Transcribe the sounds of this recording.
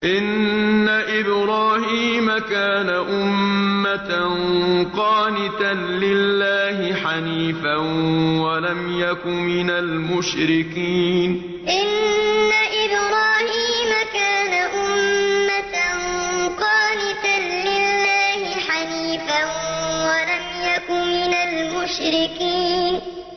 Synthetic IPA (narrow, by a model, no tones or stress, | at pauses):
ʔɪnːaʔɪbɾɑːhiːmakaːnaʔʊmːat̪aqɑːnɪt̪anlɪllːaːhɪħaniːfanwalamjakʊnmɪnalmʊʃɾɪkiːn | ʔɪnːaʔɪbɾɑːhiːmakaːnaʔʊmːat̪anqɑːnɪt̪anlɪlːaːhɪħaniːfawalamjakʊnmɪnalmʊʃɾɪkiːn